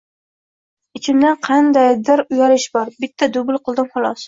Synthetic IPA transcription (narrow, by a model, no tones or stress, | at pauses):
ɪt͡ʃʰɪmd̪anqʰɑnd̪ajd̪ɪɾʊjaɾɪʃbɒɾbɪt̪ʰːad̪ʊbʊlˠqʰɨlˠd̪ɪmχɒlˠɒs